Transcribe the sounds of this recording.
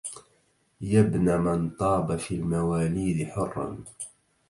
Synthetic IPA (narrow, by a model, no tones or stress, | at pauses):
jabnamant̪ˤɑːbafiːlmawaːliːd̪ɪħʊrːɑ̰n